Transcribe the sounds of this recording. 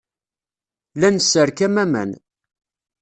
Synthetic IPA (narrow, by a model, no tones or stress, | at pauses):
lænəsːəɾkæmæmæ̰n